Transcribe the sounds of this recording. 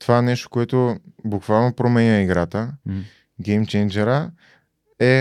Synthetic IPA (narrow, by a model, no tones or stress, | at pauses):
t̪ovaɛnɛʃt̪o̥koɛt̪obukvalˠnopɾomɛnʲəiɡɾat̪ə | ɡɛjmt͡ʃɛnd͡ʒɛɾə | ɛ